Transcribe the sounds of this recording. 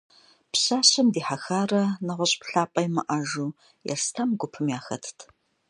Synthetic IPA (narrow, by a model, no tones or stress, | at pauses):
pɕaːɕɐmdiːħaxaːrɐnɐʁʷʊɕʼpɬaːpʼɐjmɐʔɐʒuː | jɛ̰rstʰɐmɡʷʊpʰɨmjaːxɐ̰tʰtʰ